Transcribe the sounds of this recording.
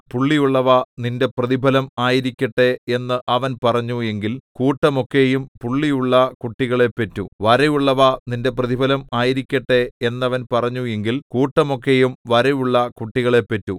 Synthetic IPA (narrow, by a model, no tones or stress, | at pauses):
puɭːijuɭːɐʋɐninde̞prɐðibʱɐlɐmaːjiɾikʲːɐʈːeenːɨʔɐʋɐnpɐrɐɲːue̞ŋɡilkuːʈːɐmo̞kːe̞jumpuɭːijuɭːɐkuʈːiɣɐɭe̞pːetːuʋɐɾejuɭːɐʋɐninde̞p̬rɐðibʱɐlɐmaːjiɾikʲːɐʈːe̞enːɐʋɐnpɐrɐɲːue̞ŋɡilkuːʈːɐmo̞kːe̞jumʋɐɾɐjuɭːɐkuʈːiɣɐɭe̞pːɐtːṵ